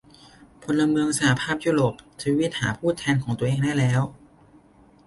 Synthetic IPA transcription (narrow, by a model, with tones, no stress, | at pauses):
pʰo˧nla˧mɯ˧əŋsa˧˩ha˧pʰaː˥˩p̚juː˥˩ɾoː˨˩p̚t͡ɕ̪ʰiː˧˥wi˦˥t̪̚ha̰ː˩˦pʰuː˥˩t̪ʰɛː˧nkʰɔː˩˦ŋt̪u˧ʔeː˧ŋdaː˥˩jlɛː˦˥w